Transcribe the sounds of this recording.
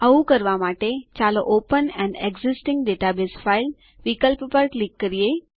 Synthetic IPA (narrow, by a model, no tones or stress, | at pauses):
əukəɾʋamaːʈet͡ɕaləʔoːpənɛ̃ɳɖeɡzisʈɪ̃ŋɡɖeːʈabeːsfʰail | ʋikəlppəɾklikːəɾije